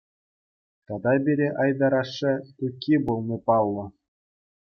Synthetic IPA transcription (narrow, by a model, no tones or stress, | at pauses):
t̪ɑd̪ɑbʲiɾʲeʔɑjd̪ɑɾɑʂːɘ̆t̪ukʲːibulˠnʲɤpɑlˠːɤ̆